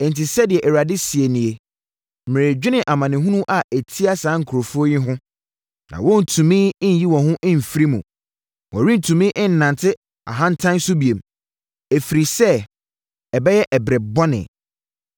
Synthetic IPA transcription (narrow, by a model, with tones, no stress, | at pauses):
ɛ̃˨n̩˨ti˨sɛ˦dɪ˨ɛ˨ʔɛ˨wa˨dɪ˦si˨e˨nĩ˨e˨ | m̩˨mɪ̃˨e˨d͡ʑᶣɪ˦nɪ̃˨ʔa˨mã˨nɪ̃˨ɦʊ̃˦nũ˦ʔa˨ʔe˨tʰi˦a˦sãː˨˦ŋ̩˨kʰu˨ɾo˨fu˦o˦jɪ˦ɦʊ̃˦ | nã̰˨wɔ̃˦n̩˨tʰũ˨mĩ˦n˨ji˦wɔ̃˨ɦʊ̃˦ʔ̩˦m̩˨fi˦ɾi˦mũ˨ | wʔɔ̃˨ɾĩ˦n̩˨tʰũ˨mĩ˦ʔɪ̃˦n̩˨nã˨ntʰɪ˦ | a̰˨ɦã˦n̩˨˦tʰã˦n˦sʊ˦bi˨ẽ˨m | e˨fi˨ɾi˨sɛ˦˨ | ɛ˨bɛ˦jɛ˦ʔɛ˨bɾɛ˨bɔ˦nɪ̰̃˨